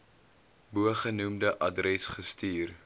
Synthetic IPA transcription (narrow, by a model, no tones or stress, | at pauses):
buəχənumdəʔɐdrɛsχəstiːr